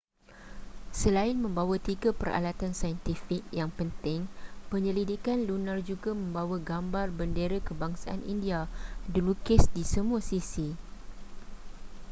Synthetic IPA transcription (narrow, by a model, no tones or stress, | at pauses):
səlaɪnmə̃mbawat̪iɡapəɾa̰lat̪ansajənt̪ifik̚jaŋpənt̪ɪŋpəɲəlidikanlunãrd͡ʒuɡamə̃mbawaɡambarbəndeɾakəbaŋsaʔa̰nḭndiadilukɪsdisəmũasisi